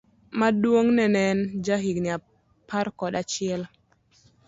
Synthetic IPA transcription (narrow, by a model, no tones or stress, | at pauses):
madwoŋnɛnɛnd͡ʒaɦiɡnɪa | paɾkɔdat͡ʃɪɛl